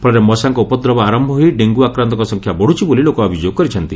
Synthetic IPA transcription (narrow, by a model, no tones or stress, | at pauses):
pʰɔɭɾemɔsaŋkɔupɔd̪ɾɔbaɾɔmbʱɔɦoiɖeŋɡuakɾant̪ɔkɔsɔŋkʰjabɔɽ̤ut͡ʃʰibolilokɔɔbʱid͡ʒjoɡ̚kɔɾit͡ʃʰɔnt̪i